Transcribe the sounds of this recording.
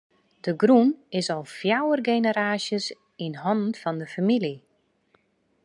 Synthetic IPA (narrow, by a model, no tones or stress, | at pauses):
d̥əɡrunɪsɔlˠfjawərɡeːnəɾaːʃjəs | inɦɔnn̩fɔndəfamili